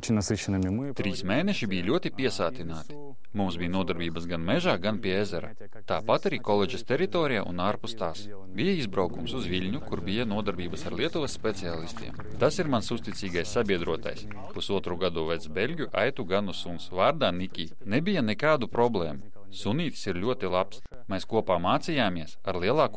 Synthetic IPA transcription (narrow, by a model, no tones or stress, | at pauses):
t͡ʃnasɨʃɪnɨmʲɪ | t̪ɾiːsmeːnɛʃibijlʲuɔt̪ipʲiɛsaːt̪ʲinaːt̪i̥ | mumsbijnuɔd̪aɾbʲiːbɐsɡanmɛʒaːɡanpʲiezɛɾa̰ | t̪aːpat̪aɾiːkɔlˠɛd͡ʒɛst̪ʲɛɾit̪ɔːɾijaːʔṵnaːɾpust̪aːs | bʲijɐizbɾawkumsuzʋilʲɲukuɾbijanuɔd̪aɾbʲiːbɐsaɾlˠʲiɛt̪uʋɛssːpʲɛt̪siaːlˠist̪ḭɛm | t̪asiɾmansust̪it̪siːɡajsːabʲiɛd̪ɾuɔt̪a̰js | pusuɔt̪ɾuɡad̪uvɛd̪sbʲelʲɡʲjuʔa̰jt̪uɡanussunsvaːɾd̪aːnikʲiː | nebʲijanɛkaːd̪upɾɔblˠeːmu | suniːt̪siɾlʲuɔt̪ilˠaps | mʲɛskuɔpaːmaːt̪sijaːmiɛsaɾlʲˠiɛlˠɑːku